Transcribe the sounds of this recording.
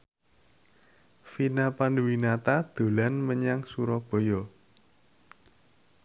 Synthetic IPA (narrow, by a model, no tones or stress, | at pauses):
finapanduwinat̪ad̪̥o̤lanməɲaŋsuɾɔb̥ɔ̤jɔ